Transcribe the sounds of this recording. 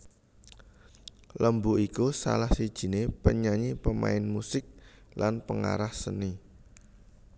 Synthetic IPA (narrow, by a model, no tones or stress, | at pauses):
ləmbuʔikusa̰lahsid̥ʒ̥i̤nepəɲaɲipəma̰ɪnmusɪk̚lanpəŋa̰ɾahsəni